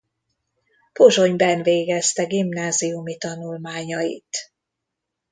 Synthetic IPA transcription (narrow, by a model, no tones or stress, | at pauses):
poʒo̞ɲbɛnveːɡɛst̪ɛɡimnaːzijumit̪ɒnulmaːɲɒjḭt̪